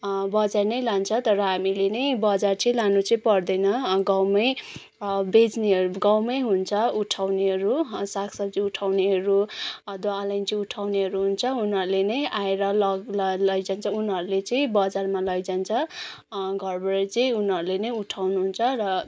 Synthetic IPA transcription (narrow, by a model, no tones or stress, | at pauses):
bʌd͡zarnʌjlant͡sʰʌt̪ʌɾʌɦamilenʌjbʌd͡zart͡sʌĩlanut͡sʌĩpʌrd̪ʌjnʌɡawmʌj | bed͡zneɦʌɾuɡawmʌjɦunt͡sʰʌuʈʰawneɦʌɾusakʰsʌbt͡siuʈʰawneɦʌɾud̪oalʌjnt͡siuʈʰawneɦʌɾuɦunt͡sʰʌunɦʌɾulenʌjaeɾʌlʌɡlʌlʌjd͡zant͡sʰʌunɦʌɾulet͡sʌĩbʌd͡zarmalʌjd͡zant͡sʰʌ | ɡʱʌrbʌɾʌt͡sʌĩunɦʌɾulenʌjuʈʰawnuɦunt͡sʰʌrʌ